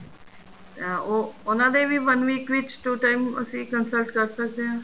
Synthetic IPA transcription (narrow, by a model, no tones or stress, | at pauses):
eoʊnãːd̪eːʋiːʋənʋiːkʋɪt͡ʃʈuːʈaːɪimə̰sĩːkənsəlʈkəɾsək̚d̪eɦãː